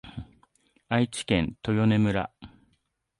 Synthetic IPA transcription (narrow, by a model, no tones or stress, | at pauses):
ait͡ɕi̥kẽ̞nt̪o̞jo̞ne̞mɯ̟ɾa̰